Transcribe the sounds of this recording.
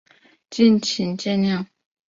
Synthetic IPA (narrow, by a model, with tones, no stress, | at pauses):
t͡ɕi˥˨nt͡ɕʰi˨˥nt͡ɕɛ˥˧nljɑ˥˨ŋ